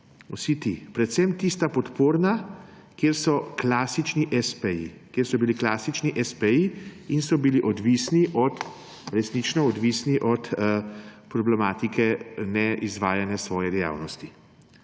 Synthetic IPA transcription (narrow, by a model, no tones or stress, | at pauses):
ṵsit̪ipɾɛt̪sɛmt̪ist̪apɔt̪poːɾna | kjeːɾsɔklaːsit͡ʃniʔɛspɛjḭkjeːɾsɔbiliklaːsit͡ʃniʔɛspɛjiinsɔbiliʔɔd̪ʋisniʔɔt̪ | ɾɛsnit͡ʃnɔɔd̪ʋisniʔɔt̪ | pɾɔblɛmaːt̪ikʰɛnɛʔizʋaːjanjɛsʋɔːjɛd̪ɛja̰ːwnɔst̪i